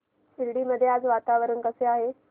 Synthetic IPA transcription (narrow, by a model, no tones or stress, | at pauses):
iɾɽiːməd̪ʱːjead͡zʋat̪aʋəɾənkəseaɦe